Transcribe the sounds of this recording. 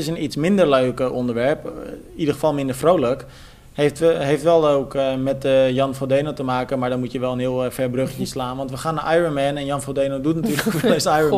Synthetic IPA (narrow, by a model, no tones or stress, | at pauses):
ɪsənitsmɪndərløːkəʔɔndəɹʋɛɹp | idərχəfɑlˠmɪndəɹfrowlək | heftɦejftʋɛlˠowkəmɛtəjɑnfodejnotəmaːkənmaːɹdɔnmutjəʋɛlˠənɦɪəlˠfɛrbrøχjəslaːnʋɑntʋəxaːnaʔajɹonmɛnɛnjɑnfodejnowdutnatyːrəokʋɛlɪsajo